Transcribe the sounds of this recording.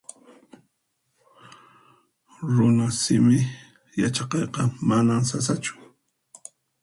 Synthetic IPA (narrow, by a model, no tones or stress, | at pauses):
ɾʊnasɪmɪ | jat͡ʃɑqɑjqɑmanamsasat͡ʃʊ̥